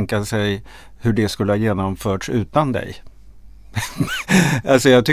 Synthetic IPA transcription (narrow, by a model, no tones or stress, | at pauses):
ŋkasɛj | hɵɖɛskɵləhɑjeːnɔmfœːʈʂʉ̟̰ːt̪and̪ɛ̰j | alsɔjɑːɡt̪ʰʏ